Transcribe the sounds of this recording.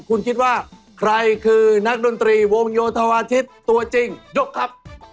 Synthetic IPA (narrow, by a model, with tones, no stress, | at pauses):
kʰu˧nkʰi˦˥t̪̚waː˥˩ | kʰɾa˧jkʰɯː˧na˦˥k̚do˧nt̪ɾiː˧wo˧ŋjoː˧t̪ʰa˧waː˧t̪ʰi˦˥t̪ːu˧ɐt͡ɕi˧ŋjo˦˥kʰːɾa˦˥p̚